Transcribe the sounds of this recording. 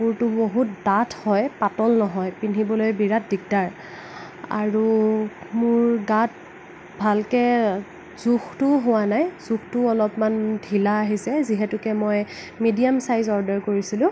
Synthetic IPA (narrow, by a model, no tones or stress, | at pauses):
uɹtʊboɦut̚datʰhɔjpatɔlnɔɦɔjpinibɔlojbiɹat̚dik̚daɹ | a̰ɹu | mʊɹɡat̚ | bʱalkɛ | zuxtʊɦʊwanajz̥ukʰtʊɔlɔpmandʱilaːɦisɛziɦɛtʊkɛmɔj | midijamsajzɔɹdɔɹkoɹisilʊ̃